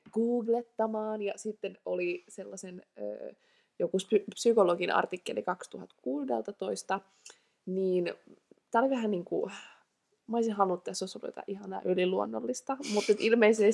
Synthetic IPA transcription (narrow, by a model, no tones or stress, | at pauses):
ɡ̥uːɡlet̪ːɑmɑːnjɑsit̪ːenoliselːɑsenø̰ː | jokuspypsykoloɡinɑ̰rt̪ikːḛlḭkɑkst̪uhɑt̪kuːdḛlt̪ɑt̪oist̪ɑ | niːnt̪æoliʋæhænniːŋkṵ | mɑisinsɑlːˑuːet̪t̪ːæsoisːolṵjo̰t̪ɑ̰ʔihɑnɑ̰ʔøliluonːo̰lːist̪ɑmut̪ːet̪ilmeise